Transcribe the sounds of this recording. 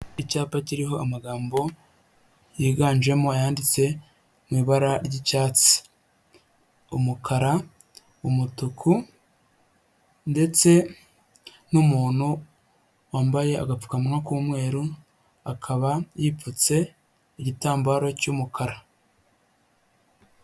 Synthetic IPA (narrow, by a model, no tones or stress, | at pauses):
icaːpaciɾiɦo̞ʔamaɡaːmbo̞ | jiːɡaːɲʒwe̞moajaːndit͡se̞ | mwiːβaɾaɾɟicaːt͡si̥ | umukʰaɾa | umutukʰu | nde̞t͡se̞ | numuːn̥hu | waːmbaje̞a̰ɡap͡fu̥kamŋakuːmŋe̞ːɾu | akʰaβajiput͡se̞ | iɟitaːmbaɾo̞cumukʰaɾa